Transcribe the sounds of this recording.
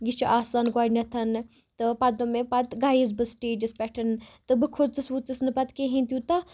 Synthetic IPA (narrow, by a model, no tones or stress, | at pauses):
ɡit͡ʃʰuʔaːsaːnɡaɖnʲɐt̪ʰɐn | t̪ɨpɐd̪omepɐt̪ɡaːjiz̬bɨsʈeːd͡ʒɨspʲɛʈʰɐnt̪ɨbɨkʰot͡sɨsʋut͡sɨsnɨpɐt̪keɦint̪jut̪ɐ